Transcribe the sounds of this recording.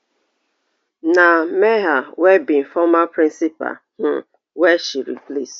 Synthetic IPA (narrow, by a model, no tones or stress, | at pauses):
nameɦawebin̩fɔmapɾĩnsipa̰ | n̩ | weʃiɾḭplḛs